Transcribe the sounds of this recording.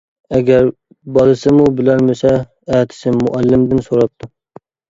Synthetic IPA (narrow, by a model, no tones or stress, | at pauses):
ɛɡʲæɾ | bɑlˠɨsɨmubɪlæɾmɪsɛ | æːt̪ʰɪ̥sɪmʊʔælːɪmd̪ɪnsoɾɑp̚t̪ʰu